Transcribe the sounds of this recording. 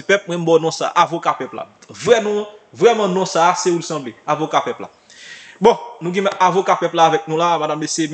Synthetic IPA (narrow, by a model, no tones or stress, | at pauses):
pɛp̚mwɛ̃m̩bɔnɔ̃sa̰ʔavokapɛpla̰vʁɛmɔ̃vʁɛmɑ̃nɔ̃saseulsɐ̃bleavokapɛpla̰ | bõnũɡɛ̃mʔavokapɛplaːvɛk̚nũlamadamdesem